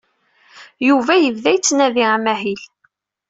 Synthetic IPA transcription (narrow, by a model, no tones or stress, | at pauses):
juvæjəvðæjt͡sːnæðiæmæɦil